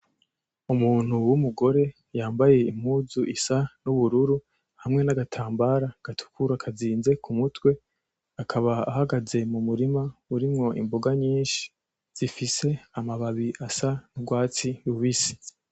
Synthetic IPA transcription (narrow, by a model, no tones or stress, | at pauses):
umuːn̥uwumuɡo̞ɾe̞ | jaːmbaje̞im̥huzuʔisanuβuɾuɾu | hamŋe̞naɡatʰaːmbaɾaɡ̥atʰu̥kʰuɾakʰaziːnze̞kumutwe̞ | akʰaβa̰ːhaɡaze̞mumuɾimauɾimŋo̞imboɡaɲiːnʃi̥ | z̥ifise̞amaβaβiʔasanubɡwaːt͡sijuβisi̥